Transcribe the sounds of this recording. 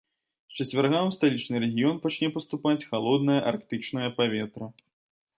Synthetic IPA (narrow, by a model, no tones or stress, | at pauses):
t͡ʃɐt͡sʲvʲarɣamst̪alʲit͡ʂnɨɾɛɣʲijɔnpat͡ʃnʲɛpɐst̪upat͡sʲxalˠɔd̪nɐjɐʔarkt̪ɨt͡ʂnɐjɐpavʲɛt̪ɾɐ